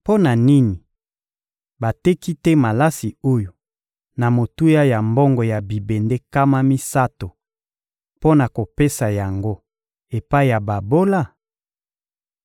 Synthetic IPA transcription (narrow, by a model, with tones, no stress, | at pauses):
po˦na˨ni˦ni˨ | ba˨tɛ˦ki˦tɛ˦ma˨la˦si˨o˦jo˨ | na˨mo˨tu˦ja˦ja˨mbɔ˦ŋɡɔ˨ja˨bi˨be˨nde˦ka˦ma˦mi˦sa˦to˨ | po˦na˨ko˨pe˦sa˨ja˨ŋɡo˦ | e˨pa˦i˦˨ja˨ba˨bo˦la˦˨